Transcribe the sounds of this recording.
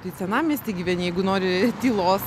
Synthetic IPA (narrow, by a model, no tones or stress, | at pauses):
t̪ɐɪsʲɛnɑmʲiːsʲt̪ʲiːɡʲiːʋʲɛnʲjɛɪɡʊnoːɾʲɪt̪ʲiːlˠoːs